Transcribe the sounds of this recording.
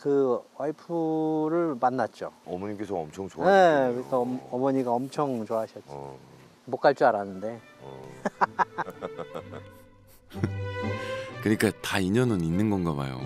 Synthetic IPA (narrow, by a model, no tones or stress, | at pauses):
kɯwaipʰuɾɯɭmanːat̚t͡ɕ͈o̰ʌmʌɲik͈esʰʌʌmt͡ɕʰʌŋt͡ɕoaaekɯɾisʰʌʌmʌɲiɡaʌmt͡ɕʰʌŋt͡ɕoaɕʰʌt̚t͡ɕ͈i | mok͈aɭt͡ɕ͈uaɾanːɯnde̞ | kɯɲik͈ataiɲʌnɯninːɯnɡʌnɡaba̰jo̰